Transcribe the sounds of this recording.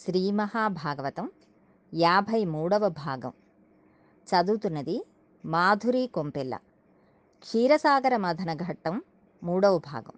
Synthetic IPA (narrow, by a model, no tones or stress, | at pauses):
ʃɾiːmɐhaːbʱaːɡɐʋɐt̪ɐm | jaːbʱɐjmuːɽɐʋɐbʱaːɡɐ̰m | t͡ʃɐd̪uːt̪unɐd̪i | maːd̪ʱuɾiːkompelːɐ̰ | t͡ʃʰiːɾɐsaːɡɐɾɐmɐd̪ʱɐnɐɡʱɐʈːɐmː | uːɽɐʋɐbʱa̰ːɡɐ̰m